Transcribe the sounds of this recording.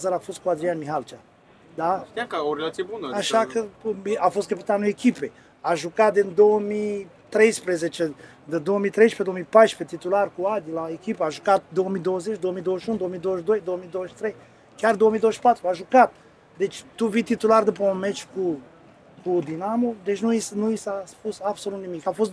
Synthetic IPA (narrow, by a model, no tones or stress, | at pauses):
zəɾafost̪̚kuad̪ɾianmiɦalt͡ʃa | d̪aʃt̪iakaoɾelat̪sijebunəaʃakʰəafost̪kəpit̪anuekʲipe | aʒukat̪̚d̪ɨnd̪o̞wəmit̪ɾe̞jspɾezet͡ʃe | d̪əd̪o̞omit̪ɾe̞jʃped̪oomipajʃpet̪it̪ularkuad̪ʲilaekʲipəaʒukat̪̚d̪o̞omid̪o̞wəzet͡ʃʲd̪oəmid̪oəʃund̪owəmid̪owəʃd̪o̞jd̪oomid̪owəʃt̪ɾe̞j | kʲard̪o̞oəmijd̪oəʃpat̪ɾuaʒukat̪̚ | d̪e̞t͡ʃʲt̪uvit̪it̪ulard̪upəunmet͡ʃʲku | kud̪inamod̪e̞t͡ʃnusnuisaspusabso̞lut̪nimikafo̞st̪